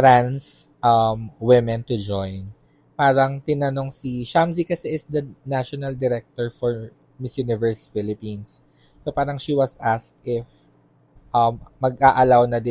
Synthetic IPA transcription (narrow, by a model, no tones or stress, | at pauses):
t̪ɾansʔɐmwɪmɛnt̪ʊd͡ʒojn | paːɾɐŋt̪ɪnɐno̞ŋsiʃamsikɐsɛʔɪsd̪ɐnaʃɔnɐld̪ɛɾɛk̚t̪oɹfɔɹ | mɪsjunɪvɛɹsfɪlɪpinsː | opaːɾɐŋʃiwɐsʔaskt̪ʔɪf | ʔɐmːɐɡʔaʔɐlawnɐd̪ɪ